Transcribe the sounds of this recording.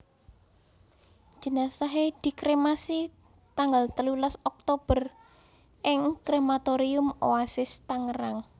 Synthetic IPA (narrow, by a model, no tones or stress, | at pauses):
ʒ̥ə̤nasaɦed̪̥i̤kɾemasi | t̪aŋɡalt̪əlulasɔk̚t̪ob̥ər | ʔɪŋkɾemat̪oɾiʊmoasɪst̪aŋəɾaŋ